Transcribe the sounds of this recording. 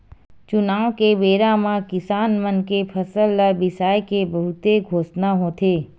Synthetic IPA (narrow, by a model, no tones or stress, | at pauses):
t͡ʃʊnaːʋkeʋeːɾamãkɪsaːnmənkepʰəsəlːəbɪsaːjkebɐɦʊt̪eɡʱoːsnaɦoːt̪ʰeː